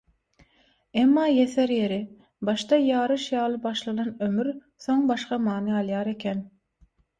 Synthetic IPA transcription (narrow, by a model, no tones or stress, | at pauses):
emːɑːjeθeɾje̞ɾi | bɑʃt̪ɑjɑːɾɯʃjɑːlˠɯbɑʃlˠɑnɑnømyɾ | θo̞ŋbɑʃqɑmɑːnɯɑlˠjɑːɾe̞kʲʰen